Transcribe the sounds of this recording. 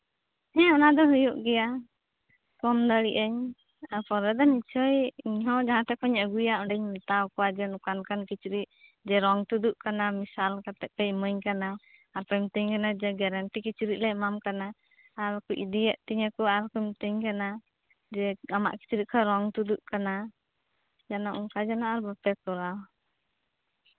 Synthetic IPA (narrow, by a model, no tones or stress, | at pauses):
ɛ̃ɔnad̪ɔɦujuʔɡɛja | kɔmd̪əɽiʔəɲ | aɾpɔɾɛd̪ɔnit͡ʃʰəjiɲɦɔ̃d͡ʒaɦãt̪ɛkɔɲəɡujaʔɔ̃ɖɛɲmɛt̪awkɔwad͡ʒɛnukankankit͡ʃuɾiʔ̚d͡ʒɛɾɔŋt̪ud̪uʔkanamisalkat̪ɛʔ̚pɛməɲkanaːɾpɛmt̪əɲkanad͡ʒɛɡɛɾanʈikit͡ʃuɾiʔlɛmamkanaː | ɾkuʔid̪ijəʔt̪iɲakɔaɾkumt̪əɲkana | d͡ʒɛama̰ʔki̥t͡ʃuɾiʔkʰɔɾɔŋt̪ud̪uʔkana | d͡ʒanaʔuŋkad͡ʒanaʔaɾbapɛkɔɾaw